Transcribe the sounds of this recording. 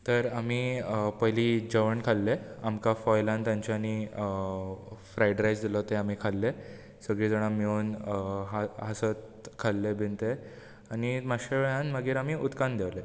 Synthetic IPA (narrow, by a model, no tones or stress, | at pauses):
t̪əɾamiːəpəɦliːd͡ʑəʋəɳkʰalːeamkafɔjlãnt̪jãɲt͡ɕjani | fɾajɖɾajd͡zd̪ilɔt̪eam̤iːkʰalːe | səɡɭiːd͡zəɽ̃ãmjonɦaɦasət̪̚ | kʰalːebʱint̪e | animaɕeʋɭãnməɡiːɾamiːut̪kand̪jeʋle